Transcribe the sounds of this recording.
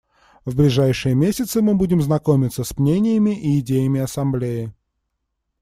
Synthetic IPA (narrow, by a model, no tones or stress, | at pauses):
vblʲɪʐajʂɨjəmʲesʲɪt̪sɨmɨbudʲɪmznɐko̞mʲɪt̪səsmnʲenʲɪjəmʲɪʔiːdʲejəmʲɪɐsɐmblʲejɪ